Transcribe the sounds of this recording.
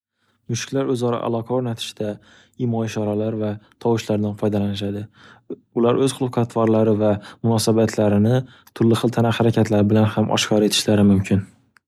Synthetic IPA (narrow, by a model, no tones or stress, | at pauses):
mʊʃɪ̥kʲlaɾɵzɒɾa̰ʔa̰lˠɒqʰɑaɾnat̪ʰɪ̥ʃd̪a | ɪmɒɪʃɒɾalaɾvat̪ʰɒwɪʃlaɾd̪anfɒjd̪alanɪʃad̪ɪ | ʊlaɾʔɵzqʊlˠqʰat̪ʰvɒɾlaɾɪvamʊnɒsabat̪ʰlaɾɪnɪ | t̪ʰʊɾlɪχɨlˠt̪ʰanahaɾakʲʰat̪ʰlaɾɪbɪlanhamʔɒ̰ʃkʰɒɾe̞t̪ʰɪ̥ʃlaɾɪmʊmkʲʰɪn